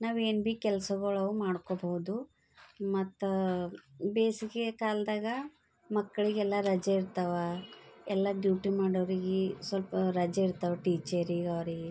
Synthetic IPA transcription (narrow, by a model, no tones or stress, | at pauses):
naːʋenbiːkɛlɐsɐɡɐɭɐʋumaːɽkobɐɦud̪u | mɐt̪ːu | beːsikekaːld̪aːɡɐ | mɐkːɐɭiɡɛlːɐɾɐd͡ʒeiɾt̪ɐʋɐɛlːɐɖjuːʈimaːɽɐʋɐɾiɡesʋɐlpɐɾɐd͡ʒɐiɾt̪ɐʋɐʈiːt͡ʃɐɾiːɡɐʋɐɾiɡe